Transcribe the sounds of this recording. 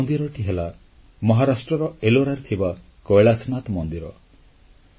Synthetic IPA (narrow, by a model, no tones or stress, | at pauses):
nd̪iɾɔʈiɦela | mɔɦaɾasʈɾɔɾɔeloɾaɾt̪ʰiba | kɔjɭasnat̪mɔnd̪iɾɔ̰